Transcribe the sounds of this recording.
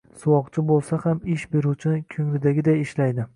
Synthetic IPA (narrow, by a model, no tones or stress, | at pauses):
sʊwɒqt͡ʃʰɪbolˠsahamɪʃbe̞ɾut͡ʃʰɪnɪkʲʰɵŋlɪd̪aɡʲɪd̪ajɪʃlajd̪ɪ